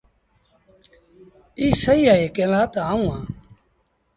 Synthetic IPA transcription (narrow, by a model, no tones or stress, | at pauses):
iːsəiːaeːkelaːt̪aaũːãː